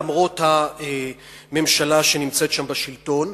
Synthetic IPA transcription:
mʁo̞t̪hae | me̞mʃalaʃe̞nimt͡se̞t̪ʃambaʃilto̞n

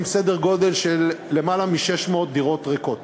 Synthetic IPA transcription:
msedeʁɡo̞d̪e̞lʃelːemalamiʃeʃmo̞ːt̪̚d̪iʁo̞t̪ʁeko̞t

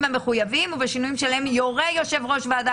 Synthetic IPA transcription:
mhameχujavimuvaʃinujimʃelaemjoʁejo̞ʃe̞vʁo̞ʃvead̪a

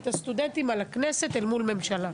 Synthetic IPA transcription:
t̪ast̪ud̪ent̪imalakneset̪elmulme̞mʃala

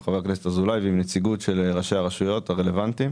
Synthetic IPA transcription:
χaveakneset̪azulajvimnet͡siɡutʃelʁaʃejaʁaʃujo̞t̪haʁele̞vant̪i

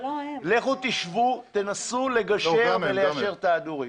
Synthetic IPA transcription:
leχot̪iʃvut̪enasule̞ɡaʃeveleaʃe̞ʁt̪aːd̪uʁi

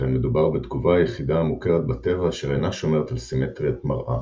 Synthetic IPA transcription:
almed̪ubaʁbet̪ɡuvajeχid̪aːmukeʁet̪̚bat̪evaːʃeʁenaʃo̞me̞ʁet̪alsimet̪ʁiat̪maʁʔa̰

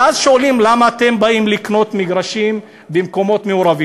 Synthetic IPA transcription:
azʃoalimlamaːt̪e̞mbaimlikno̞t̪miɡʁaʃim | bemko̞mo̞t̪meuʁavi

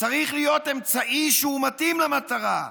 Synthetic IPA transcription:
t͡saʁiχlijo̞t̪e̞mt͡saʔiʃeumat̪imlemat̪aʁa

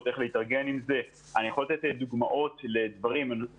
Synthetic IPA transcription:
te̞χleit̪aʁɡe̞nimze̞ | anijaχo̞lat̪et̪ed̪uɡmaʔo̞t̪led̪vaʁiman

